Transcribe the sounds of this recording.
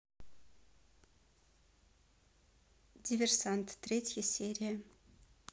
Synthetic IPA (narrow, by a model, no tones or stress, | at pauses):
dʲivʲersant̪ːrʲetʰʲjasʲerʲija